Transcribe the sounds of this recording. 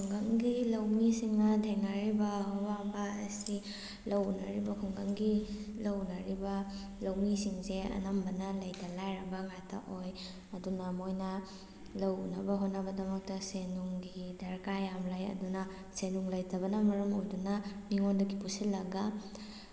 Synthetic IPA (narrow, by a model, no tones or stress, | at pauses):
kʰuŋɡɐŋɡilɐwmisiŋnɐtʰeŋnaɾibɐɦɔwabaɐsi | lɐwnɐ̰ɾibɐkʰuŋɡɐŋɡilɐwnɐɾibɐ | lɐwmisiŋseɐ̰nɐmbɐnɐlɐjtʰɐlajɾɐbɐŋajtʰɐ̰ʔoj | ɐdunɐmojnɐ | lɐwnɐbɐɦotnɐbɐdɐmɐk̚tɐsenuŋɡidɐɾkajamlajɐ̰dunɐ | senuŋlɐjtʰɐbɐnɐmɐɾɐmojdunɐniŋondɐɡipusilːɐɡɐ